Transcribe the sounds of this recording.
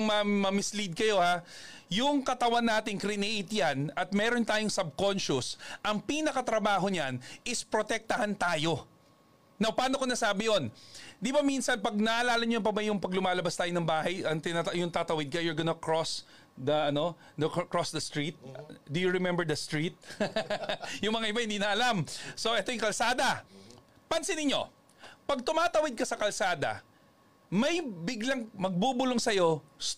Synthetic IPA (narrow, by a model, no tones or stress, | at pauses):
ʊmɐmɐmɪslid̪̚kɐjo̞hajʊŋkɐt̪ɐwanːaːt̪ɪŋkɾɪnɛʔjt̪janɐt̪̚mɛːɾont̪aːjʊŋsɐb̚ko̞nʃʊsʔɐŋpiːnɐkɐt̪ɾɐbaːɦo̞ɲanʔɪspɾot̪ɛk̚t̪ɐhant̪aːjo̞ | nɐwpaːnokonɐsaːbɪjo̞nd̪ɪbɐminsɐnpɐɡ̚nɐʔɐlaːlɐɲoɐp̬ɐbajʊŋpɐɡlʊmaːlɐbɐst̪aːjonɐŋbaːhɐjɐŋt̪ɪnat̪ɐjʊŋt̪aːt̪ɐwɪd̪̚kɐjʊɹɡonɐkɹos | d̪ɐʔɐno̞ | nɐkkɹosd̪ɐst̪ɹit̪̚d̪ʊjʊɹɪmɛmbɛɹd̪ɐst̪ɹit̪̚ | jʊŋmɐŋaʔɪbahɪnd̪iːnɐʔɐlamso̞ʔɛt̪ojʊŋkɐlsaːd̪ɐ | pɐnsɪnɪɲo̞̰ | pɐɡ̚t̪ʊmaːt̪ɐwɪd̪̚kɐsɐkɐlsaːd̪ɐ̰ | mɐjbɪɡlɐŋmɐɡ̚buːbʊloŋsɐjo̞s